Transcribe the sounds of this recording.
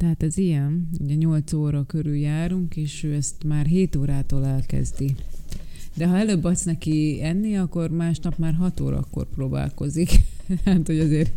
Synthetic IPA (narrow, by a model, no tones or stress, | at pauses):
t̪ɛɦaːt̪ɛzijɛnṵɟɛɲo̞lt̪soːɾɒkøɾyljaːɾuŋkeːʃøːɛst̪maːrɦeːt̪oːɾaːt̪oːlɛlkɛ̰zd̪i | d̪ɛɦɒɛløːbːɒt̪snɛkiɛnːiɒkːormaːʃnɒpmaːrɦɒt̪o̰ːɾɒ̰kːo̞̰rproːba̰ːlko̞zikat̪hoɟɒzeːr